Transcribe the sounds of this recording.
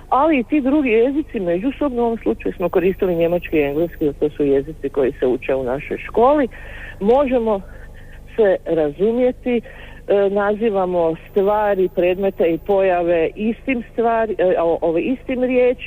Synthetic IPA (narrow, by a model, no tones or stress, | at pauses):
aliːt̪id̪ɾuɡije̞zit̪sime̞d͡ʒuso̞bnouo̞ʋomslˠut͡ʃajusmo̞ko̞ɾiːst̪iliɲe̞mat͡ʃkiie̞ŋɡleskizat̪osuje̞zit̪siko̞jise̞ut͡ʃe̞unaʃo̞̰jʃko̞ːli | mo̞ʒe̞mo̞ | se̞ɾazumje̞t̪i | naziːʋamo̞st̪ʋaːɾipɾe̞ːd̪me̞t̪eipo̞jaʋe̞ʔist̪imst̪ʋaːɾiʔoʋeist̪imɾjeːt͡ʃ